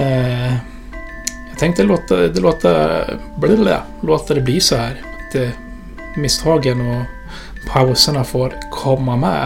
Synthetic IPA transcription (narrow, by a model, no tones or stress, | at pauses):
æɡt̪ʰɛŋkt̪əloːt̪əd̪ɛloːt̪əblɪɾd̪ɛ̰ | loːt̪əd̪ɛbliːsɔhæːɾt̪ɛ | mɪst̪ʰɑːɡənɔ | pʰɑʉsənəfoːɾkʰɔmːɑmɛ̰